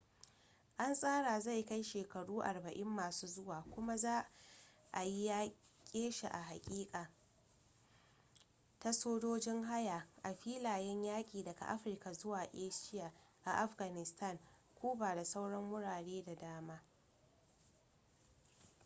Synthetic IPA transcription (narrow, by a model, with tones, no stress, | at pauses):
ʔa˦nsʼaː˦ɽaː˨za˦˨jka˦jʃeː˨kɐ˨ɽuː˦ʔa˨rbɐ˨ʔɪ˦mːaː˨suː˦zʊ˦waː˨kʷʊ˦ma˦zaː˦ | ʔa˨ji˦jaː˦ | kʲʼeː˦ʃa˨ʔa˨ɦa˨kʲʼiː˦kʼaː˨ | ta˦soː˦d͡ʒoː˦d͡ʒɪ˦ŋɦa˦ja˨ʔa˨ɸiː˦laː˨jɛ˦ɲjaː˦kʲʼiː˨dɐ˨ɡa̰˨ʔa̰˦ɸɪ˨rka˨zʊ˦waː˨ʔeː˦ʃɪ˦ja˨ʔa˨ʔa˦ɸɡa˨nɪ˨sta˦˨ŋkʷuː˦baː˨da˨sa˦wɽɐ˦mːʊ˦ɽaː˨ɽeː˦da˨daː˦maː˦